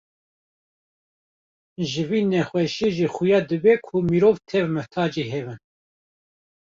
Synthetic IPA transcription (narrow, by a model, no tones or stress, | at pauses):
ʒɨviːnɛxwɛʃeʒixujɑːd̪ɨbɛkʰumiɾoːvt̪ʰɛvmɨht̪ʰɑːd͡ʒiɦɛvɨn